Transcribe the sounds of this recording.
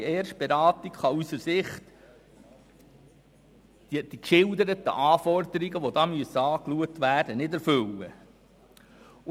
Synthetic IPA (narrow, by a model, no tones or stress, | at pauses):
ɛːɾʃt̚b̥eɾɑːt̪ikχɑysəɾsɪχt̪ | id̥ikʃɪld̪əɾət̪ə̰ʔɑːfɔɾd̪əɾiɡəʋod̪ɑːmyəsːəɑːkluək̚t̪ʋæːrd̥ənɪdæɾfɵlːə̰